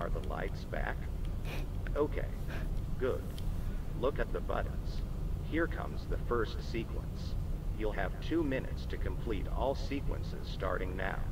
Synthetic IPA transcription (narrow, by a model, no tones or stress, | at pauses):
ə̰˞ðəla̰ɪtsb̥æ̰k | oʊkʰḛɪɡ̥ʊd̥̚lʊkɨt̪̚ðəbʌ̰ʔn̩z̥hiɹkʰʌ̰̃mzðɨfɜ˞stsikʰwə̰̃nsjulˠɨv̥tʰʉmɪ̃nɨ̰tstʰɨkʰɨ̃m̩pʰl̥iɾɔ̰lˠsikwə̰̃nsɪ̰z̥stɑ̰ɹɾɪ̃ŋnaʊ